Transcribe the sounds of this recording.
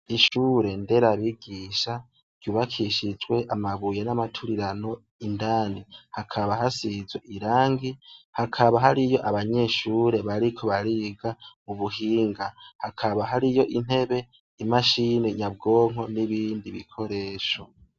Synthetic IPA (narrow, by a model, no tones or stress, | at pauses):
iʃuːɾe̞nde̞ɾaβiɡiːʃa | ɾ̥ɟuβakʰiʃid͡ʒwe̞ʔamaβujenamatʰuɾiɾano̞ | indaːnihakʰaβaɦasizweʔiɾaːŋɡihakʰaβaɦaɾijo̞ʔaβaɲe̞ʃuːɾe̞βaɾikʰo̞βaɾiɡamuβuɦiːŋɡahakʰaβaɦaɾijo̞ʔin̥he̞βe̞ | imaʃiniɲab̚ɡo̞ːŋ̥o̞niβiːndiβḭkʰo̞ɾe̞ːʃo